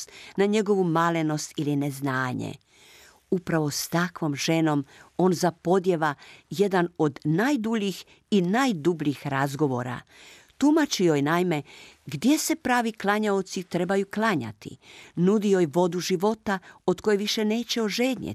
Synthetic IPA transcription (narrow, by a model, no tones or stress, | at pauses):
t̪naɲe̞ɡo̞ʋumaleno̞st̪ilineznaːɲḛ | upɾaʋo̞st̪akʋo̞mʒ̥e̞no̞mo̞ːnzapo̞d̪je̞ʋaje̞d̪ano̞d̪najd̪uʎix | inajd̪ubʎixɾazɡo̞ʋo̞̰ːɾa̰ | t̪umat͡ʃiojnajme̞ɡd̪je̞se̞pɾaːʋiklˠaɲaot̪sit̪ɾe̞bajuklˠaɲa̰t̪ḭnud̪iojʋo̞d̪uʒiʋo̞t̪ao̞t̪ko̞jeʋiʃene̞ːt͡ɕe̞oʒeːd̪ɲḛ